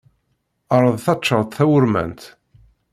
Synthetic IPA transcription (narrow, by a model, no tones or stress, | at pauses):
ɑɾˤəðˤθɑt͡ʃːəʁˤt̪θæwʊɾmæ̰nt̪